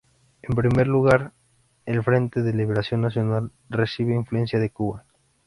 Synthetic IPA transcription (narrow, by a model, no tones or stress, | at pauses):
e̞mpɾime̞ɾluɣaɾ | e̞lfɾe̞nt̪e̞ðeliβeɾasjo̞nːasjo̞nal | resiβeiɱflue̞nsjaðekuβa